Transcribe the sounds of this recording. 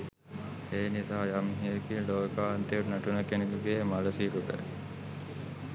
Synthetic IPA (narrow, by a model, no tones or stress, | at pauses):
eːnisaːjamɦikiloːkaːɐnt̪eunaʈunəkeniluɡeːmalɐsiːɾukə̰